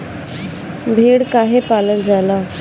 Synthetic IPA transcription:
bʱeɽkaɦepalənd͡zʱala

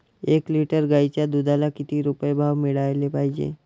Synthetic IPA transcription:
eːkliːʈəɾɡaːit͡ʃad̪ud̪ʱalakɪt̪iɾupebʱaːʋmɪɽaːelepaːid͡ʒḛː

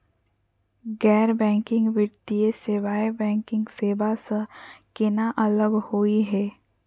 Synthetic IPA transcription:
ɡɛːɾbɛ̃ːŋkɪ̃ŋɡʋɪɾt̪ieseʋaːebɛ̃ːŋkɪ̃ŋɡseːbasəkɪnaʔɐləɡhoːiɦɛː

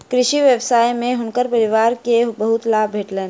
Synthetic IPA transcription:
kɾɪʃiʋjebsaːjmẽɦʊnkəɾpəɾɪʋaːɾkebəɦʊt̪laːbʱbʱeːʈleːn

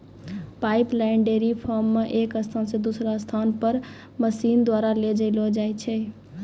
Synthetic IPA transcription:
pajplaɪɳɖeɾipʰɔɾmːeʔekəst̪ʰansẽd̪usɾast̪ʰanpəɾ | məsind̪waɾaled͡ʒəlɔd͡ʒajt͡ʃʰɛ

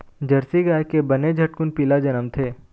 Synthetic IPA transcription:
d͡ʒɐɾsiɡaːkebɐned͡ʒʱɐʈ̚kʊnpiːlad͡ʒɐnəmt̪ʰeː

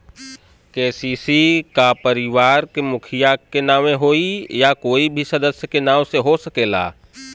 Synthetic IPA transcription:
keːsiːsikapəɾɪʋaːɾkemʊkʰijakenaːʋẽɦoːijakoːibʱisɐd̪əsjəkenãːwseɦosəkeːla̰ː

